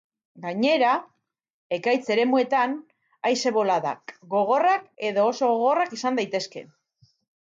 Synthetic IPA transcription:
ɡaɲe̞ɾa | e̞kajt͡se̞ɾe̞mue̞t̪an | ajse̞βo̞laða̰kɡo̞ɣ̞o̞rake̞ðo̞ːso̞ɣo̞ɣo̞rakisand̪ajt̪e̞ske̞̰

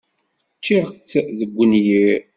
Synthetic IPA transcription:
t͡ʃːiʁt͡sːðəɡʷːənji

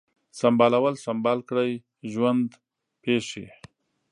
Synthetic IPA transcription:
sambɑlawəlsambɑlkɽəj | ʒwand̪ | peʂḭ

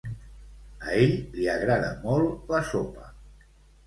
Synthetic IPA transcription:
əeʎliəɣɾaðə̰mɔlˠləsopə

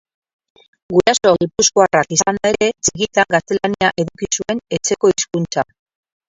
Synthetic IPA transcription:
ɡuɾaso̞ɣipuskoarakisand̪ae̞ɾe̞t͡siɣit̪aŋɡast̪elaniaʔe̞ðukisue̞ne̞t͡se̞ko̞iskunt͡sa

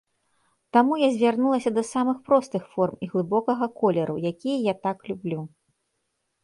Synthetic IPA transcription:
t̪amujazʲvʲarnulˠɐsʲɐd̪ɐsamɨxpɾɔst̪ɨxfɔrmiɣlˠɨbɔkɐɣɐkɔlʲɛɾʔṵjakʲijɐjat̪aklʲublʲu

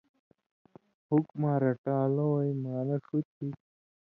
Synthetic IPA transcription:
hukmaːɾɐʈaːlowɐjmaːnɐʂut̪ʰi

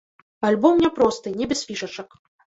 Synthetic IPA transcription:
alʲbɔmnʲɛpɾɔst̪ɨnʲɛbʲɛsʲfʲiʂɐt͡ʂɐk

